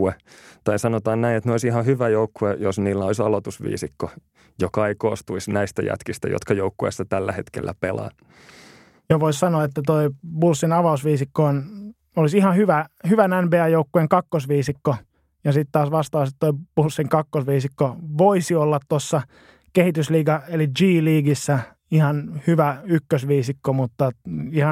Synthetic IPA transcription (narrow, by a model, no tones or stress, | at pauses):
uet̪ɑisɑnot̪ɑːnnæinet̪neolisihɑhyʋæjoukːuejosniːlːæolisɑlot̪usʋḭːsikːo | jokɑikoːst̪uisnæist̪æ̰jæ̰t̪kist̪æ̰jo̰t̪kɑjoukːuḛsːɑt̪ælːæ̰het̪kḛlːæpelɑ̰ː | joʋoissɑnoɑet̪ːæt̪oibulsːinɑʋɑusʋiːsikːoːn | olisihɑhyʋæhyʋænænbeɑjoukːueŋkɑkːosʋiːsikːo | jɑsit̪t̪ɑːsʋɑst̪ɑːsit̪t̪oib̥ulsːiŋkɑkːosʋiːsikːoʋoisiolːɑt̪t̪osːɑ | kehit̪ysliːkɑelid͡ʒiːliːɡisːæ | ihɑnhyʋæykːøsʋiːsikːomut̪ːɑihɑ